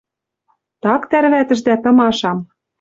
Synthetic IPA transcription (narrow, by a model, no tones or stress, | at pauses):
t̪ɑkt̪æɾβæt̪ɘ̆ʒd̪æt̪ɤ̆mɑʃɑm